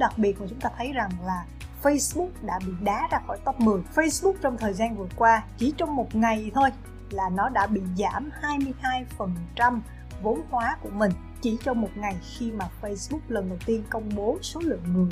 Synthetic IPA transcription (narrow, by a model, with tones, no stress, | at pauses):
ɗa˨˩k̚ɓi˨˩ət̚kuː˨˩t͡ɕʊ˨˦ŋ͡mt̪aː˧t̪ʰə˨˦jza˨˩ŋlaː˨˩ | fə˧jsɓʊ˦˥k͡p̚ɗa̰ː˧˥ɓḭ˧˨ɗaː˨˦zaː˧xɔ̰˧˩jt̪ə˦˥p̚mɨ˨˩əjfə˧jsɓʊ˦˥k͡p̚t͡ɕɔ˧wŋ͡mt̪ʰəː˨˩jzaː˧nvɨ˨˩əkwaː˧t͡ɕi˧˩t͡ɕɔ˧wŋ͡mmo˨˩t̚ŋa˨˩jt̪ʰo˧j | laː˨˩nɔ˨˦ɗa̰ː˧˥ɓḭ˧˨zaː˧˩mhaː˧jmɨ˧əjhaː˧jfə˨˩nt͡ɕa˧m | vo˨˦nhwaː˨˦ku˧˩əmï˨˩ŋ̟ | t͡ɕi˧˩t͡ɕɔ˧mo˨˩t̚ŋa˨˩jxi˧maː˨˩fə˧jsɓʊ˦˥k̚lə˨˩nɗə˨˩wt̪i˧ənkə˧wŋ͡mɓo˨˦so˨˦lɨ̰˧˨əŋŋɨ˨˩əj